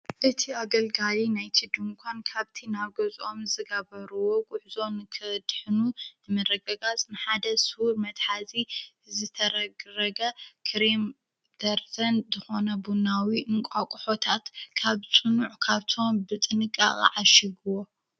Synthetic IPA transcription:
ʔɨt̪ʰiaɡɐlɡalinajt̪ʰid̪ɨmkʷʰankʰaβt̪ʰinaβɡɐzʼo̞mzɨɡɐβɐɾuwokʼʊħzo̞nɨkʰɨd̪ħɨnunɨmɐrɐɡɐɡat͡sʼnɨħad̪ɐsɨhuɾmɐt̪ħazi | zɨt̪ʰɐɾɐɡɾɐɡɐkʰɾim | d̪̥ɐɾt̪ʰɐnzɨxo̞nɐbunawiʔɨŋkʷʼakʼħo̞t̪ʰat̪kʰaβt͡sʼɨnuʕkʰaβt̪ʰo̞mbɨt̪ʼɨnɨkʼːa̰χʼḭʕaʃiɡuwo

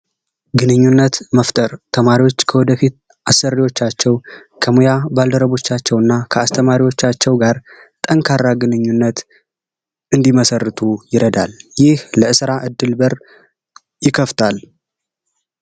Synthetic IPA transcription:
ɡɨnɨɲːunːət̪məft̪ʼəɾt̪ʰəmaɾiwo̞t͡ʃːkʰəwɔd̪əfit̪̚ | asːərːiwo̞t͡ʃːat͡ʃːɛwkʰəmujabald̪əɾəβo̞t͡ʃːat͡ʃːɛwɨnːakʰəast̪ʰəmaɾiwo̞t͡ʃːat͡ʃːɛwɡaɾ | t̪ʼəŋkʰarːaɡɨnɨɲːunːət̪ | ʔɨnd̪iməsərːɨt̪ʰujɪɾəd̪a̰ljɪhləɨsɨɾaʔɨd̪ːɨlbəɾ | jɪkʰːəft̪ʰal

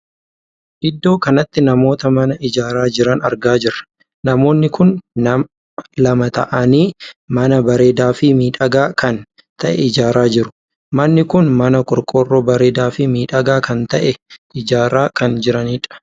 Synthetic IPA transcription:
ʔɪd̪ːo̞ːkɐnɐt̪ːɪnɐmo̞ːt̪ɐmɐnɐʔɪd͡ʒaːɾaːd͡ʒɪɾɐnɐ̰ɾɡaːd͡ʒɪrɐ̥ | nɐmo̞ːnːɪkʊnɐ | lɐmɐt̪ɐ̰ʔɐniːmɐnɐbɐɾe̞ːd̪aːfɪmiːᶑɐɡaːkʰɐn | t̪ʰɐʔɛɪd͡ʒaːɾaːd͡ʒɪɾʊ̥ | mɐnːɪkʊnmɐnɐkʼɔɾkʼo̞ːrːoːbɐɾe̞ːd̪aːfɪmiːᶑɐɡaːkɐnt̪ɐʔɛɪd͡ʒaːɾaːkɐnd͡ʒɪɾɐniᶑɐ̥

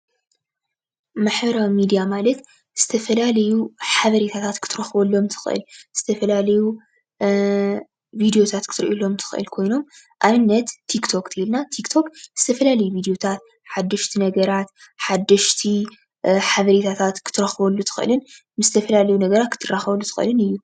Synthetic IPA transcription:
maħbɐɾawmid̪ijamalɐt̪ | z̥ɨt̪ʰɐfɐlalɐjuħaβɐɾet̪ʰat̪ʰat̪kʰɨ̥t̪ʰɨɾɐxbɐlːo̞mt̪ʰɨ̥xʔɨ̰lz̥ɨt̪ʰɐfɐlalɐju | vid̪ijo̞t̪ʰat̪kʰɨ̥t̪ʰɨɾʔulo̞mt̪ʰɨ̥xʔɨ̰lkʰo̞jno̞m | ʔaβɨnːɐt̪ʰːikt̪ʰo̞kt̪ʰɨilnat̪ʰikt̪ʰo̞kz̥ɨt̪ʰɐfɐlalɐjuvid̪ijo̞t̪ʰat̪ | ħad̪ːɐʃt̪ʰinɐɡɐɾat̪ħad̪ːɐʃt̪ʰi | ħaβɐɾet̪ʰat̪ʰat̪kʰɨ̥t̪ʰːɨɾɐxβɐlːut̪ʰɨ̥xʔɨ̰lɨn | mɨzɨt̪ʰɐfɐlalɐjunɐɡɐɾat̪̚kʰɨ̥t̪ʰɨrːaxɐβɐlːut̪ɨ̥xɨ̰lɨnɨjːu

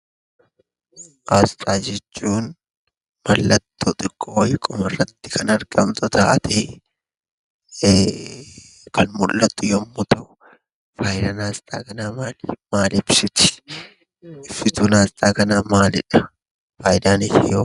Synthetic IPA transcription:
ʔaːst̪ʼaːd͡ʒɛt͡ʃːuːn | mɐlːɐt̪ʰːot̪ʼɪkʼːoːwjɪkʼːʊmɐrːɐt̪ːɪ̥kɐnɐɾɡ̥ɐmt̪ʊt̪aːʔɐt̪ɛ | kɐnmʊlːɐt̪ːʊjɔmːʊt̪ɐ | faːjd̪ɐnaːst̪ʼa̰ːkɐnaːmaːlmaːlɪbsʊt̪ɪ̥ | ɪfɪt̪ʊnaːst̪ʼaːkɐnaːmaːlɪᶑɐ̥ | faːjd̪aːnɪhɪjoː

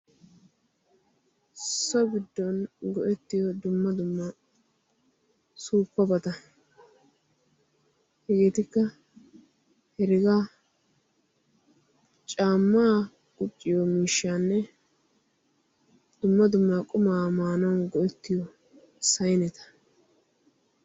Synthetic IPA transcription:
sɔbɪd̪ːɔnɡɔʔɛt̪ːɪjɔd̪ʊmːɐd̪ʊmːɐ | suːpːɔbɐt̪ɐ | hɛɡeːt̪ɪkːɐ | hɛɾɪɡɐ | t͡ʃʼaːmːaː | kʼʊt͡ʃʼːɪjɔmiːʃːaːnːɛ | d̪̥ʊmːɐd̪ʊmːakʼʊmaːmaːnɔnɡɔʔɛt̪ːɪjɔ | sɐjnɛt̪ɐ̥

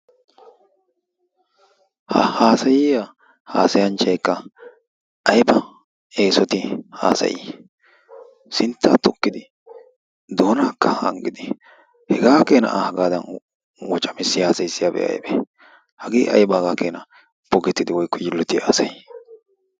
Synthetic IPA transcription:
hhaːsɐjɪja | ha̰ːsɐjɐnt͡ʃɐjkːɐ | ɐjbɐ | e̞ːsɔt̪ɪha̰ːsɐ̰jɪ̰ | sɪnt̪ːaːt̪ɔkːɪd̪ɪ | d̪o̞ːnaːkːɐhɐ̰ŋɡɪd̪ɪ | hɛɡaːkeːnɐ̰ʔhɐɡaːd̪ɐn | wɔt͡ʃʼɐmɪsːɪhaːsɐjsːɪjabɛ̰ʔɐ̰jbɛ̰ | hɐɡḭːʔɐ̰jbɐhɡaːkeːnɐ | b̥ɔɡɛt̪ːɪd̪ɪwɔjkːɔd͡ʒɪlːɔt̪ɪja̰ːsɐj

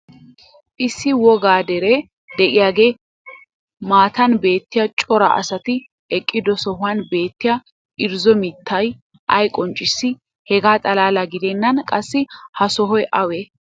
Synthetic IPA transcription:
ʔɪsːɪwɔɡaːd̪ɛɾe | d̪ɛʔɪjaːɡe̞ː | maːt̪ɐnbe̞ːt̪ːɪjɐt͡ʃʼɔɾɐ̰ʔɐ̰sɐt̪ɪ | ɛkʼːɪd̪ɔsɔhʊɐnbe̞ːt̪ːɪja | ʔɪɾzɔmɪt̪ːɐj | ʔɐjkʼɔnt͡ʃʼːɪsːɪ | hɛɡaːt̪ʼɐlaːlɐɡɪd̪ɛnːɐnkʼɐsːɪhɐsɔɦɔjʔɐwe

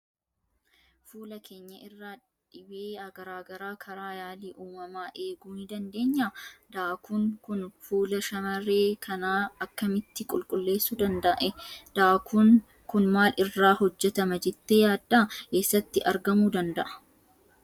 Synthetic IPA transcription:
fuːlɐkʰe̞ːɲːɐʔɪrːaː | ᶑɪbeːɐɡɐɾaːɡɐɾaːkʰɐɾaːjaːliːʔuːmɐmaːʔe̞ːɡuːnɪd̪ɐnd̪e̞ːɲːaːd̪aːkuŋkʊnfuːlɐʃɐmɐre̞ːkʰɐnaːɐkːɐmɪt̪ːɪkʼʊlkʼʊlːe̞ːsːud̪ɐnd̪ɐʔɛd̪̥aːkʰuːŋ | kʊnmaːlʔɪrːaːhɔd͡ʒːɛt̪ɐmɐd͡ʒɛt̪ːeːjaːd̪ːake̞ːsːɐt̪ːɪʔɐɾɡɐmuːd̪ɐnd̪ɐʔɐ̥

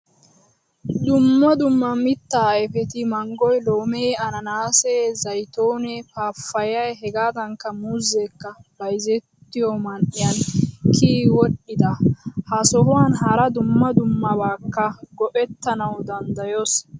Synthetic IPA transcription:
d̪ʊmːɐd̪ʊmːɐmɪt̪ːaːɛfɛt̪ɪmɐŋɡɔjlo̞ːmɛjɐnɐnaːsɛzɐjt̪oːnɛpaːfːɐjɐjɦɛɡaːd̪ɐŋkːɐmʊzɛkːɐb̥ɐjzɛt̪ːɪjomɐnʔɪjɐnkʰiːwɔɗːɪd̪ɐhɐsɔɦʊwaːnɦɐɾɐd̪ʊmːɐd̪ʊmːɐbaːkːɐɡɔʔɛt̪ːɐnɐwd̪ɐnd̪ɐjoːs

